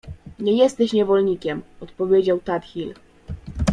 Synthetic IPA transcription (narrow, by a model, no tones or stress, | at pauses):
ɲɛjɛst̪ɛɕɲɛvɔlɲikʲɛmɔt̪pɔvʲjed͡ʑawt̪at̪xʲil